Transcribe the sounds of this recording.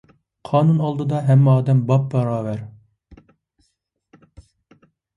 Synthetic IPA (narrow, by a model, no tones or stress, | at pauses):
qʰɑːnunɑlˠd̪ɨd̪ɑɦɛmːɑːd̪ɛmbɑp̚bɑɾɑːvæɾ